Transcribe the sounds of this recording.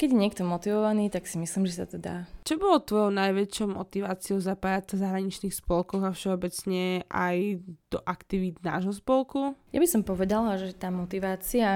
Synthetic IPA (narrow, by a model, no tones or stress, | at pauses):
kɛɟjɛɲɪɛkt̪ɔmɔt̪iʋɔʋaniːt̪aksimisliːmʒɛsa̰t̪ɔd̪a̰ːt͡ʃɔbɔlɔt̪ʋɔjɔʊnajʋɛt͡ʃɪɔʊmɔt̪iʋaːt͡siɔʊzapajat͡sazaɦɾaɲit͡ʃniːxspɔlkɔɣafʃɛɔbɛt͡sɲɛʔa̰jd̪̥ɔ̰ʔakt̪iʋiːd̪na̰ːʒɦɔspɔlkuja̰bisɔmpɔʋɛd̪alaʒɛt̪aːmɔt̪iʋaːt͡sia